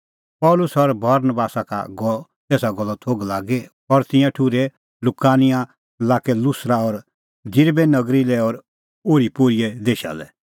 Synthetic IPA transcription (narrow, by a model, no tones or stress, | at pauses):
pɔːlʊsɔɾbɐɾnəbaːsaka̰ɡɔ | t̪ɛːsaɡɔlːɔt̪ʰoːɡlaːɡɛ | ɔɾt̪ɪ̃jãʈʰuɾɛ | lʊkaːnɪjã | laːkɛlʊsɾaɔɾ | d͡ʒɪɾbɛnɐɡɾilɛɔɾ | oːɾipoɾijɛd̪eːʃa̰lɛ̰